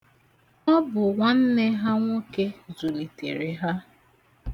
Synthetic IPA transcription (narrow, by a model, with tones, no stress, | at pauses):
nɔ˦bʊ˨ŋʷa˦n̩˦ne˦ɦa˦ŋʷo˦ke˦zu˨li˨tḛ˨ɾe˨ɦa˦